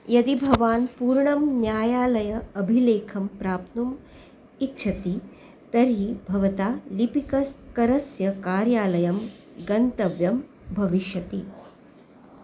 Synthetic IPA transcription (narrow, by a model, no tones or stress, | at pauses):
jɐd̪ibʱɐʋaːnpuːɾɳɐmnjaːjaːlɐjɐɐbʱileːkʰɐmpɾaːp̚t̪num | itːt͡ʃʰɐt̪i | t̪ɐɾɦibʱɐʋɐt̪aːlipikɐskɐɾɐsjɐkaːɾjaːlɐjɐm | ɡɐnt̪ɐʋjɐm | bʱɐʋiʃjɐt̪i